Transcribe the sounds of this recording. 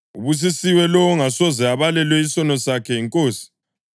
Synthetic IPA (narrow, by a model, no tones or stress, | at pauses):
uβus̬isiwɛlɔɔŋasɔzɛaβalɛlwɛisɔnɔsakʰɛiŋkʼoːsi̥